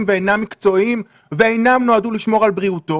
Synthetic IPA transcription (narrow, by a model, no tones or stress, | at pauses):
mveejnamːikt͡so̞im | veejnamno̞aduliʃmo̞ʁalbʁiuto